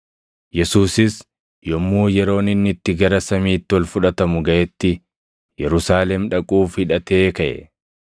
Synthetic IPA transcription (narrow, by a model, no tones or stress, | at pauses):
jɛsuːsɪs | jɔmːuːjɛɾo̞ːnɪnːɪt̪ːɪɡɐɾɐsɐmiːt̪ːɪwɔlfʊᶑɐt̪ɐmʊɡɐʔɛt̪ːɪ | jɛɾʊsaːlɛmᶑɐkʼuːfhɪᶑɐt̪e̞ːkɐʔɛ̰